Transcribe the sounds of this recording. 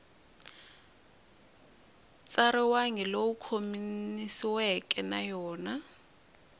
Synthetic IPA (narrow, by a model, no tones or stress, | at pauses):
t͡sʼaɾɛwaŋɛlowukʰominisiwɛkʼɛnajɔːna